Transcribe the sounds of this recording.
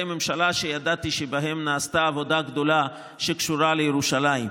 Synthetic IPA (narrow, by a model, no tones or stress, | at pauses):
ememʃalaʃejad̪at̪iʃebaɦe̞mnaːst̪aːvo̞d̪aɡd̪o̞la | ʃekʃuʁalejeʁuʃalajim